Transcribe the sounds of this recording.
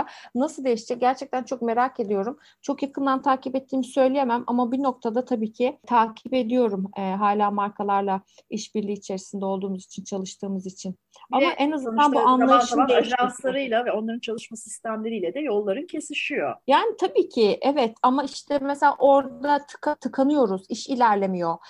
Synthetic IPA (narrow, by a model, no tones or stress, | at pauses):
nasɯlˠd̪ejiʃd͡ʒɛɟæɾt͡ʃʰɛc̚t̪ænt͡ʃʰo̞k̚me̞ɾake̞d̪ijo̞ɾum | t͡ʃʰo̞kjakʰɯnd̪ant̪ʰaːcʰipɛt̪ʰːiːmisø̞jlʲejemæmʔa̰mabino̞k̚t̪ʰad̪at̪ʰabiːcʰɪt̪ʰaːcʰipe̞d̪ijo̞ɾumɛɦaːlʲaːmaɾkʰalˠaɾlˠa | iʃbiɾlʲiːit͡ʃʰe̞ɾisind̪ɛo̞lˠd̪uːmuzit͡ʃʰint͡ʃʰalˠɯʃt̪ʰɯːmɯzit͡ʃʰin | amaʔɛnazɯnd̪anbuanˠajɯʃmʒanslˠaɾɯjlˠavɛo̞nlˠaɾɯnt͡ʃʰalˠɯʃmasist̪ʰæmlʲe̞ɾijlʲɛd̪ɛjo̞lˠːaɾɯncʰe̞siʃijo̞jaːnit̪ʰabiːcʰɪʔɛvɛt̪ʰamaiʃt̪ʰɛmeselʲa̰ːʔo̞ɾd̪at̪ʰɯ̥kat̪ʰɯkʰanɯjo̞ɾuziʃilʲæɾlʲe̞mijo̞